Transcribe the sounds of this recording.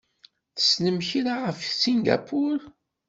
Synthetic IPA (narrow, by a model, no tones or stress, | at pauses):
θə̥snəmçiɾaʁəfsiŋɡa̰pʰʊɾ